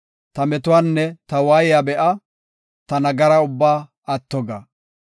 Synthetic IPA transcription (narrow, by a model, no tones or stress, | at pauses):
t̪ɐmɛt̪ʊwaːnːɛt̪ɐwajɪjabɛʔɐ | t̪ɐnɐɡɐɾɐʊbːaː | ɐt̪ːɔɡɐ